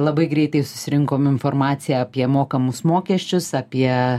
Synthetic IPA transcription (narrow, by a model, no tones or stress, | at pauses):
lˠɐbɐɪɡɾʲɛɪt̪ɐɪsʊ̥sʲɪɾʲɪŋkoːmɪnfoːrmɑːsʲɪjɛːɐpʲiɛmoːkɐmʊsmoːkʲɛʃʲt͡ʃʲʊsɐpʲiɛ